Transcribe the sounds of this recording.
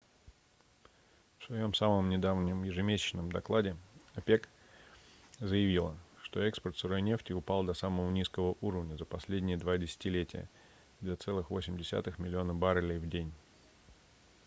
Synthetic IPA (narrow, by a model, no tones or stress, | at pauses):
fsvɐjo̞msaməmnʲɪd̪avnʲɪmjɪʐɨmʲesʲɪ̥t͡ɕnəmd̪ɐklˠadʲɪɐpʲe̞k | zəjɪvʲilˠəʂt̪o̞ɛkspərt̪sɨɾo̞jnʲe̞ftʲɪʊpɑlˠd̪ɐsaməvənʲiskəvəʔuɾəvnʲəzəpɐsʲlʲedʲnʲɪjəd̪vadʲɪsʲɪ̥tʲɪlʲetʲɪ̰jə̰ | d̪lʲat̪sɛlˠɨxvo̞sʲɪmʲdʲɪsʲa̰t̪ɨxmʲɪlʲɪo̞nəbaɾəlʲɪjvdʲenʲ